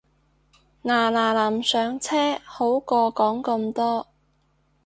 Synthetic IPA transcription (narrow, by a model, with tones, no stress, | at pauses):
ŋaː˨˩laː˨˩lɐ˨˩msœː˨˧ŋt͡sʰɛː˥ho˨˥wkɔː˧kɔː˨˥ŋkɐ˧mt̪ɔː˥